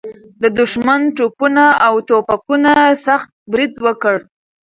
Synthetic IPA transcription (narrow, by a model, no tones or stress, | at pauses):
d̪əd̪ʊʃmanʈopunaawt̪opakunasaxt̪̚bɾid̪wəkəɽ